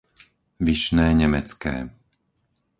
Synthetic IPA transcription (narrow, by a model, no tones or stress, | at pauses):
ʋiʃnɛːɲɛmɛt͡skɛ̰ː